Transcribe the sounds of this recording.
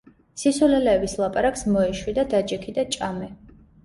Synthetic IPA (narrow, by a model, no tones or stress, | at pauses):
sisulɛlɛːbislˠapʼaɾakʼsmɔɛʃwid̪ad̪ad͡ʒɛkʰid̪at͡ʃʼamɛ